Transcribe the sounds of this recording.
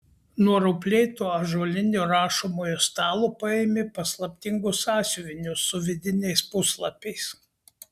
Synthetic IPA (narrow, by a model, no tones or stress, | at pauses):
nuɔɾʊpʲlʲeɪt̪uːɐʒuɔlʲɪnʲuɾɑːʃomoːjoːst̪ɑːlˠopɐemʲɪpɐslˠɐpʲt̪ʲɪŋɡʊsɑːsʲʊʋʲɪnʲʊsʊʋʲɪd̪ʲɪnʲɛɪspʊslˠɐpʲɛɪs